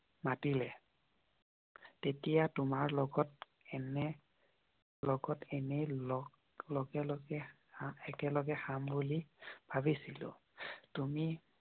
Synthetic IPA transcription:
matilɛ | tetijatʊmaɹlɔɡɔt | ɛnɛ | lɔɡɔtɛnɛlɔ | lɔɡɛlɔɡɛ | ɛkɛlɔɡɛxambulib̥ʱabisilʊ̰tumi

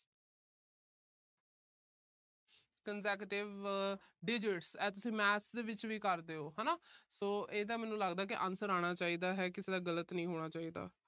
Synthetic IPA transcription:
kənsɛːkʈɪʋɖɪd͡ʒɪʈsɛːt̪ʊsĩːmɛːsd̪eːʋɪt͡ʃʋiːkəɾd̪eːoːɦɛːnaːsoːʔeːd̪aːmɛ̃ːnũːləɡd̪aːk̬ɪʔã̰ːnsəɾaːɽ̃aːt͡ʃaːiːd̪aːɦɛːkɪseːd̪aːɡələt̪nəĩːɦoːɽ̃aːt͡ʃaːiːd̪a̰ː

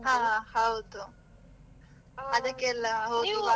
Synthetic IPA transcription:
ɦãːhɐwd̪u | ɐd̪ɐkːeːlːɐɦɐwd̪ua

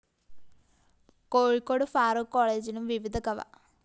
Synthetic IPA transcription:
koːɻikːoːɽɨfaːɾoːkːoːɭeːd͡ʑilumʋiʋid̪ʱɐkɐʋɐ̰

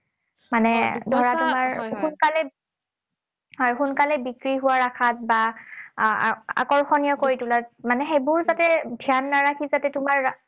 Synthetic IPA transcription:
manɛdʱɔɹatʊmaɹxunkalɛ | hɔjxunkalɛbikɹiɦʊwaɹakʰat̚ba̰ | a̰kɔɹxʰɔnijɔkoɹitulatmanɛxejbʊɹzatɛdʱjanːaɹakʰizatɛtʊmaɹ

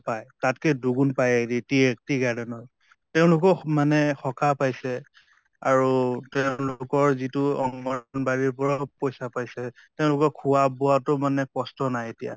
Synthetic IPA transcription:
pajtatkɛduɡunpajeditiek̚tiɡadɛnɔɹ | teʊ̃lʊk̬ɔmanɛxɔkʰapajsɛ | aɹutɛʊ̃lʊkɔɹzitʊɔŋmɔnbaɹiɹp̬ɔɹɔpojsapajsɛtɛʊ̃lʊkɔkʰuabɔatʊmanɛkɔstɔnajetija̰

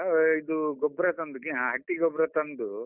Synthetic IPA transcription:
id̪uɡɔbɾɐt̪ɐnd̪ukiãɦɐʈːiɡɔbɾɐt̪ɐnd̪u

